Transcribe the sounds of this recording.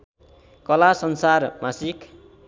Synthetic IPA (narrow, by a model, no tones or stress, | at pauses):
kʌlasʌnsarmasik